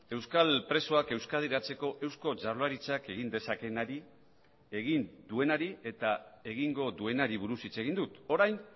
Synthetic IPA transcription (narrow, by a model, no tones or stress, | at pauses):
e̞wskalpɾe̞so̞ake̞wskaðiɾat͡se̞ko̞ʔe̞wsko̞t͡ʃaɾlaɾit͡sake̞ɣind̪e̞sake̞naɾi | e̞ɣind̪ue̞naɾie̞t̪ae̞ɣiŋɡo̞ðue̞naɾiβ̞uɾusit͡se̞ɣ̞ind̪ut̪o̞ɾajn